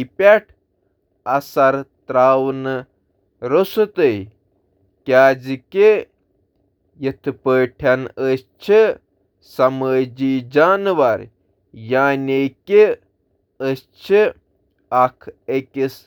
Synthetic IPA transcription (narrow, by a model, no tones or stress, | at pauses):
pʲaʈʰ | ɐsɐɾt̪ɾaːwnɨ | ɾosɨt̪əj | kʲaːd͡zke | jit̪ʰɨpəːʈʰanəst͡ʃʰi | sɐməːd͡ʒiːd͡ʒaːnʋɐɾ | jaːneke | əst͡ʃʰi | akʰekʲis